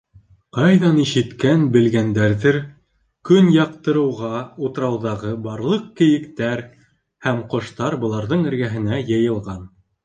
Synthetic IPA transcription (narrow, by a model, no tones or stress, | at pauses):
qɑjðɑniʃɘ̆t̪kænbɘ̆lɡænd̪æɾðɘɾ | kɵnjɑq̚t̪ɤ̆ɾɤ̆wʁɑut̪ɤ̆ɾɑwðɑʁɤbɑɾlˠɤq̚kɘ̆jɘ̆kt̪æɾ | hæmqŏʃt̪ɑɾbɤ̆lˠɑɾðɤɴɘ̆ɾɡæɦɘ̆næjɤ̆jɤ̆lˠʁɑn